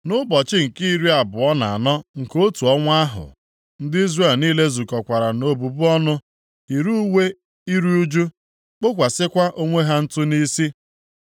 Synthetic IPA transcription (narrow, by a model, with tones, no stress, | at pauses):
nʊ˦bɔ˨t͡ʃɪ˦ŋ̩˨ki˦i˦ɾi˦a˨bʊ˨ɔ˦na̰˨a̰˨nɔ˦ŋ̩˨ko˦tu˨ɔ˦ŋʷ˦a˦ɦʊ̰˨ | n̩˦dɪ˦i˦zre˦˨lniː˦le˦zu˨kɔ˨kʷa˨ɾa˨no˨bu˨bu˦ɔ˦nʊ˦ | i˨ɾu˦we˦ | i˦ɾi˦u˦d͡ʒu˦ | k͡pʊ˦kʷa˨sɪ˦kʷa˦ʔo˦ŋʷe˦ɦa˦n̩˦tʊ˦ni˦si˦